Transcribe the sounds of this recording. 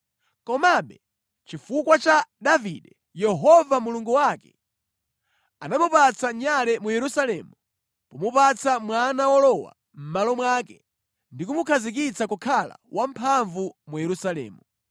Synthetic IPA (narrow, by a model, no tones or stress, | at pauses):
kɔmaɓɛ | t͡ʃifukwat͡ʃaɗaviɗɛ | jɛɦɔvamuluŋɡuwakɛ̥ | anamupat͡saɲalɛmujɛɾusalɛmu | pɔmupat͡samwanawɔlɔwa̰ | m̩malɔmwakɛ | ndik̬umukʰazik̬it͡sakukʰala̰wʔam̩pʰaɱvumujɛɾusalɛ̰ːmu